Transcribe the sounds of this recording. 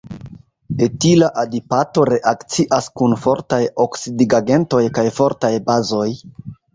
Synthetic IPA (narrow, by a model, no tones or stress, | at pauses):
etilaʔadipato̞ɾe̞ʔakt͡siʔaskunfo̞ɾtajoksidiɡaɡe̞nto̞jkajfo̞ɾtajbazo̞j